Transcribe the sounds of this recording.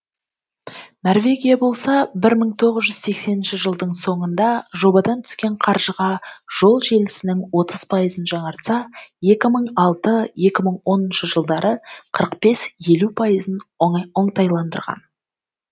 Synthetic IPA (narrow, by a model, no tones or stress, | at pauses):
no̞rvʲe̞ɡʲijabo̞lˠsɑbɪɾməɴt̪ʰo̞ʁəzʒʏz̥se̞kse̞nɪnʃɪʒəlˠd̪əɴso̞ɴənd̪ɑʒo̞bɑd̪ɑnt̪ʰʏ̥skʲe̞ɴqʰɑɾʒəʁɑʒ̥o̞lˠʒe̞lɪsɪnɪŋwo̞t̪əz̥pʰɑjəzənʒɑɴɑɾt̪sɑje̞kʲɪməɴɑlˠt̪əje̞kʲɪməɴwo̞nənʃəʒəlˠd̪ɑɾəqʰəɾəqbe̞sje̞lupʰɑjəzəno̞ɴt̪ɑjlˠɑnd̪ə̰ɾʁɑ̰n